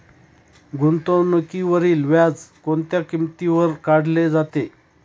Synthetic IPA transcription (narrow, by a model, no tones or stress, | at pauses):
ɡʱunt̪õnəkiʋəɾiːlʋjad͡zkont̪jakimt̪iʋəɾkaɽ̤led͡zat̪e